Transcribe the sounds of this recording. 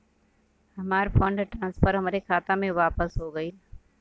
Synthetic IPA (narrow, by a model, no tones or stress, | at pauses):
ɦɐmaːɾfə̃ɳɖʈɾãːnspəɾɦɐmaːɾekʰaːt̪amẽʋaːpəsɦoɡɐiː